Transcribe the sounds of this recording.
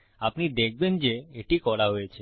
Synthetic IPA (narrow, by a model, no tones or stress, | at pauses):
apnid̪eɡ̚bend͡ʒeeʈlikɔɽaɦojet͡ʃʰe